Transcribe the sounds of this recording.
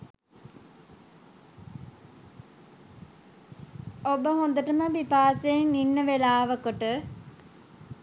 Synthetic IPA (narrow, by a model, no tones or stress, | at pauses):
obəɦond̪əʈəməbipaːseːŋninːəʋelaːʋəkoʈə